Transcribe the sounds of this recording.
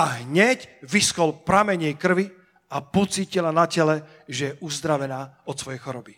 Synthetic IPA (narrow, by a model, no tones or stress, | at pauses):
aɦɲɛcʋiskɔlpɾamɛɲɪɛkr̩ʋi | apɔt͡siːcilanacɛlɛ | ʒɛjɛʔuzd̪ɾaʋɛnaːɔt̪sʋɔjɛjxɔɾɔbi